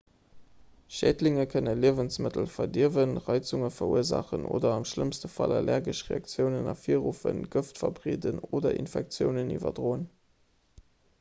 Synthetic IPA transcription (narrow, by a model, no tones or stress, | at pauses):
ʃæːdlɪŋəkʰənəliəvənsmətəlfɐdiəvənʁɑɪt͡suŋəfɐuəzɑ̰χəno̰ːdɐɑmʃləmstəfɑlɛlʔɛɐɡəʃʁeɑk̚t͡sjəʊnənɑfiːəʁuːfənɡəftfɐbʁeːdənoːdɐʔḭnfɛk̚t͡sjəʊnənivɐ̰dʁoːən